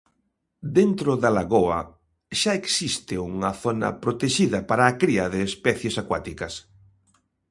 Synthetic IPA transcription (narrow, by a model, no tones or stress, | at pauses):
d̪ent̪ɾʊðalaɣoɐ̰ | ʃaeksist̪ɪuŋɐθonɐ̰pɾot̪eʃiðɐpaɾɐːkɾiɐðɪːspɛθjesakwa̰t̪ikɐs